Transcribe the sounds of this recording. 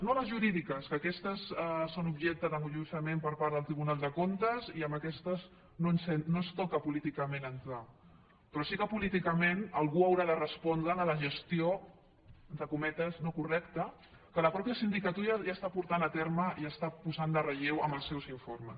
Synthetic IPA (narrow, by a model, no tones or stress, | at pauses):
noləzʒuɾiðikəskəːkɛst̪əsəsonubʒɛk̚t̪əðəŋuʎusəmempəɾpaɾðəlˠt̪ɾiβunalˠd̪əkont̪əziəmbəkɛst̪əz | nonsɛnnost̪ɔkəpulit̪ikəmenənt̪ɾa | pɾɔsikəpulit̪ikəmenəlˠɣuəwɾaðərəspɔnd̪ɾənələʒəst̪io | d̪əkumɛt̪əznokurɛkt̪ə | kələpɾɔpjəsind̪ikət̪uɾəʒast̪apuɾt̪anət̪ɛɾməiəst̪apuzand̪ərəʎewəmbəlˠsɛwziɱfoɾməs